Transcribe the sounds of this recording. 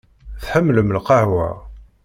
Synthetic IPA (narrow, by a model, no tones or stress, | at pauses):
θħəmːləmlqɑhwæ̰